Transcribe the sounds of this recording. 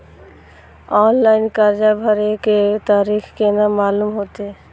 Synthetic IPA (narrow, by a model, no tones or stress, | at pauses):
ɔnlajnkaɾd͡ʑabʱaɾeket̪aɾikʰkenamalumɦot̪e